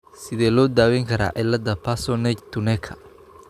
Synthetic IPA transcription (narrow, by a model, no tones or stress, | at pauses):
sɪðɛːlɔːd̪aːwɛŋkʰɐɾa̰ːʔɪlːɐd̪ɐpʰasɔnɛt͡ʃt̪ʰʊnɛkʰɐ̥